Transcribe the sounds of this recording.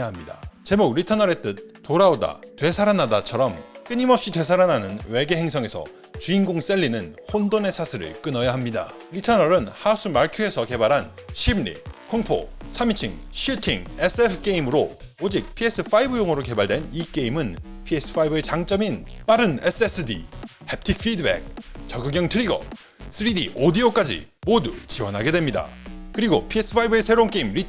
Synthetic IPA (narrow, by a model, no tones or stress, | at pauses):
aɦamɲida̰t͡ɕe̞mok̚ɾitʰʌnʌɾe̞t͈ɯt̚t͈ːoɾaoda̰twe̞sʰaɾanadat͡ɕʰʌɾʌmk͈ɯɲimʌp̚ɕ͈itwe̞sʰaɾananɯnwe̞ɡe̞ɦe̞ŋsʰʌŋe̞sʰʌ̰ | t͡ɕuinɡoŋs͈e̞ʎːinɯnhondone̞sʰasʰɯɾɯ̰ɭk͈ɯnʌjaɦamɲida̰ | ɾitʰʌnʌɾɯnhasʰumaɭkʰjue̞sʰʌke̞baɾɦanɕʰimːḭkʰoŋpʰo̰sʰamit͡ɕʰiŋɕʰutʰiŋesʰepʰɯ̥k͈eimɯɾood͡ʑik̚pʰies͈ʰɯfʰaibɯjoŋɯɾoke̞baɭdwe̞nik͈e̞imɯnpʰies͈ʰɯ̥pʰaibɯe̞t͡ɕaŋt͡ɕ͈ʌminp͈aɾɯnes͈ʰesʰɯdḭhep̚tʰik̚f͈ʰidɯbḛk̚t͡ɕʌɡɯɡjʌŋtʰɯɾiɡʌ̰ | sʰɯɾidḭʔodiok͈ad͡ʑḭmodut͡ɕiwʌnɦaɡe̞dwemɲida̰kɯɾiɡopʰie̞s͈ʰɯ̥pʰaibɯe̞sʰe̞ɾonk͈eimɾi